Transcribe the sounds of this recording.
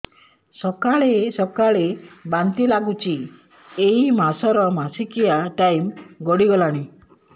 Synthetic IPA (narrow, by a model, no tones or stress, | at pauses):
sɔkaɭesɔkaɭebant̪ilaɡut͡ʃʰi | eimasɔɾɔmasikijaʈajmɡɔɽiɡɔlaɽ̃i